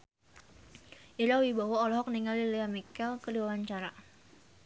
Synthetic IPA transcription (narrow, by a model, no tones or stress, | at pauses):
ʔiɾawibawɔːlɔɦɔk̚niŋalileamikɛlkəliwawaɲt͡ʃaɾa